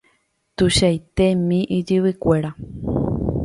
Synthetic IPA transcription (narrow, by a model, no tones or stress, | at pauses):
t̪uʃajt̪e̞mĩʔid͡ʒɨwɨkʷe̞ɾa